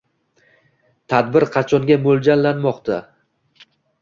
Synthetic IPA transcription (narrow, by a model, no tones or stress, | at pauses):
t̪ʰad̪bɪɾqʰɑt͡ʃʰɒŋɡʲamold͡ʒanlanmɒqt̪ʰa